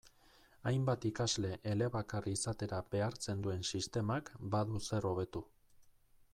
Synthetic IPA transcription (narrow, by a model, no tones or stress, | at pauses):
ajmbat̪ikazle̞ʔele̞βakariisat̪e̞ɾab̥e̞aɾt͡se̞nd̪ue̞nsist̪e̞makbaðuse̞ro̞β̞e̞t̪u